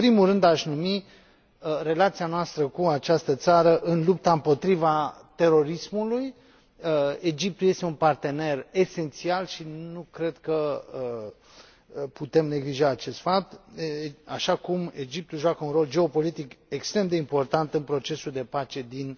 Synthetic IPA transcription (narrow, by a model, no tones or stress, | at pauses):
pɾimulrɨnd̪aʃnumi | re̞lat̪sianoast̪ɾəkuat͡ʃast̪ət̪saɾəʔɨnlup̚t̪aɨmpo̞t̪ɾivat̪e̞ɾo̞ɾismuluj | əe̞d͡ʒip̚t̪uje̞st̪eunpart̪e̞ne̞re̞se̞nt̪sialʃinukɾe̞d̪kəə | put̪e̞mne̞ɡliʒaːt͡ʃe̞st̪fap̚t̪ | aʃakume̞d͡ʒip̚t̪uʒoakəunɾro̞ld͡ʒe̞o̞po̞lit̪ike̞kst̪ɾe̞md̪e̞impo̞rt̪ant̪ɨnpɾo̞t͡ʃe̞suld̪e̞pat͡ʃe̞d̪in